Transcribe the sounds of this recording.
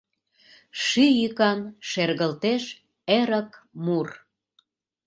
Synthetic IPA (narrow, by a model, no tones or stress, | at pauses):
ʃyjykɑnʃerɣəlt̪eʃ | eɾəkmur